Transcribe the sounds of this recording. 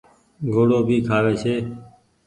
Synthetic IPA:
ɡʱoːɽoːbʱiːkʰaːʋeːsʰeː

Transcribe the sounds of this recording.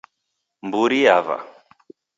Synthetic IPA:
mbuɾiava̰

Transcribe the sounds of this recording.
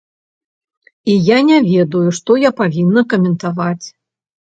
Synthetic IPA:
ijanʲɛvʲɛd̪ujuʂt̪ɔjapavʲinːɐkɐmʲɛnt̪avat͡sʲ

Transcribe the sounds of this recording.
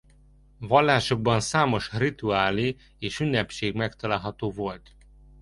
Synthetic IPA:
vɒlːaːʃo̞ɡ̚bɒnsaːmo̞ʃrit̪uaːli | eːʃynːɛpʃeːɡmɛkt̪ɒlaːlɦɒt̪oːvo̞lt̪

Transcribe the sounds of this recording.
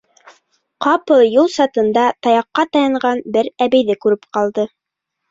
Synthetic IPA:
qɑpɤlˠjulˠsɑt̪ɤ̆nd̪ɑt̪ɑjɑqːɑt̪ɑjɤ̆ɴɢɑnbɘɾæβɘ̆jðɘkʉɾɘp̚qɑlˠd̪ɤ

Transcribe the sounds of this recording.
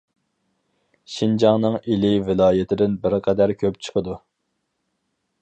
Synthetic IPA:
ʃind͡ʒɑŋnɨŋilɪvɪlˠɑːjɪt̪ʰɪd̪ɪnbɪɾqʰɛd̪æɾkʲʰøpt͡ʃʰə̥qʰəd̪u

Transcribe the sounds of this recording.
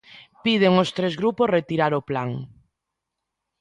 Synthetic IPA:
pið̞eŋost̪ɾezɣɾuposret̪iɾaɾoplaŋ

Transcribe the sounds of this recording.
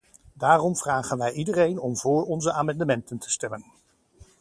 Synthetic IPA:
daːrɔmv̥raːχənʋɛjʔidərejnɔmvʊːɹɔnzəʔaːmɑndəmɛntəntə̥stɛmən

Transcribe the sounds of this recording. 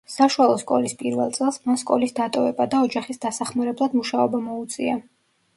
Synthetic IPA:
saʃualˠɔskʼɔ̰lispʼiɾvɛ̰lˠt̪sʼɛlˠsmanskʼɔ̰lisd̪at̪ʼɔvɛbad̪aɔd͡ʒaχisd̪asaχmaɾɛblˠad̪muʃaɔbamɔut̪sʼia

